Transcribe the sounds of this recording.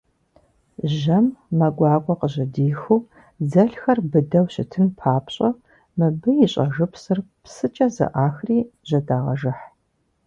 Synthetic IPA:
ʒɐmːɐɡʷɑːkʷʼɔqəʑɐdiːxuː | zɐɬxɐrbɨdɐwɕɪ̰tʰɨnpʰaːpɕʼɐ | mɨbɨjɪɕʼɐʒɨpsɨrpsɨt͡ʃʼɐzɐ̰ʔaːxriːʒ̥ɐdaːʁɐ̰ʒɨħ

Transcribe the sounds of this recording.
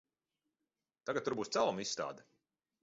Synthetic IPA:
t̪aɡat̪t̪ːuɾbuːst̪salˠumissːt̪a̰ːd̪ɛ̥

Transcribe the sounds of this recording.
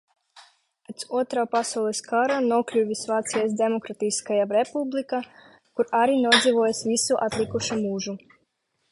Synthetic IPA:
pat̪sɔɔt̪ɾaːpasawlˠɛskaɾanɔklʲuʋʲisʋat̪sijasd̪emokɾat̪ijskajaɾepublˠika | kuɾaɾinod̪ziʋojesʋisuʔat̪lˠikɔʃimuːʒu

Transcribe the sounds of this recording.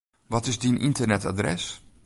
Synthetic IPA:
ʋɔtɪsdinʔɪ̰ntərnɛta̰drɛ̰s

